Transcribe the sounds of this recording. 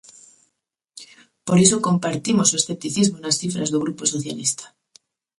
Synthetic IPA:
po̞ɾe̞s̬oko̞mpaɾt̪imosue̞sθe̞p̚t̪iθizmonasθifɾa̰zðuɣ̞ɾupo̞so̞θja̰list̪ḁ

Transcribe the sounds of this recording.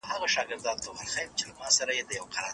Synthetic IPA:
haɣaʃɑɡɪɾd̪ɑnt̪ohalxajmt͡ʃelamɑsaɾajed̪əjawqaɾɑ

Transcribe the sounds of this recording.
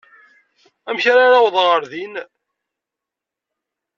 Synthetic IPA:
æmçaɾaɾawðˤəʁəɾðin

